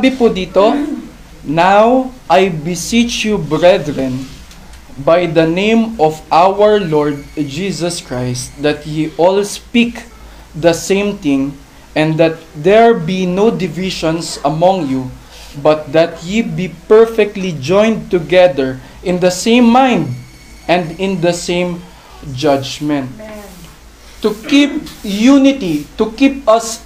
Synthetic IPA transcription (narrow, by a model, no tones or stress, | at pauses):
bɪpud̪iːt̪o | nawʔajbɪsit͡ʃjubɹɛd̪ɹɛ̃n | bajd̪ɐnẽjmɔvʔawəɹlɔɹd̪̚d͡ʒisɐskɹajst̪̚d̪ɐt̪̚jiʔɔlspik | d̪ɐsẽɪmt̪ɪ̃ŋ | ɛ̃nd̪ɐt̪̚d̪ɛɹbinowd̪ɪvɪʃɔ̃nsɐmɔ̃ŋju | bɐt̪̚d̪ɐt̪̚jibipɛɹfɛk̚t̪lid͡ʒɔ̃j̃nd̪̚t̪ʊɡɛðəɹ | ʔɪ̃nd̪ɐsẽj̃mːãjnd̪̚ | ʔɛ̃nd̪ɪ̃nd̪ɐsẽjm | d͡ʒʌd͡ʒmɛ̃nt̪̚ | ukip̚junɪt̪it̪ukip̚ɐs